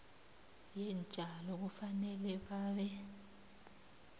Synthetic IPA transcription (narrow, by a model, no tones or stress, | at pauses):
jɛnd͡ʒʱalɔɣufanɛlɛβaːβɛ